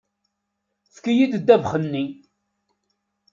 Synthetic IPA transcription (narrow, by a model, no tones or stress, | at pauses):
θkijid̪əd̪ːævχənːi